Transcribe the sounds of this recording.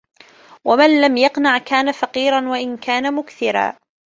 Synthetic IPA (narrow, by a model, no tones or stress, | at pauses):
wamanlamjɑqnaʕkaːnafɑqiːɾanwaʔɪnkaːnamʊkθɪɾa̰ː